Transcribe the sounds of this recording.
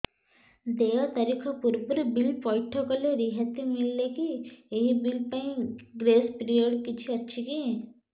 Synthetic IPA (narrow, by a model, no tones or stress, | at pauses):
d̪eːot̪ɐɾikʰapuɾpuɾbɪlpɔːɪʈʰokoleɾiɦət̪ːimɪlːekieɦibilpɐ̃ĩɡɾeːspɾioɖkɪt͡ʃʰiɐtːʃʰikiɦɛ̃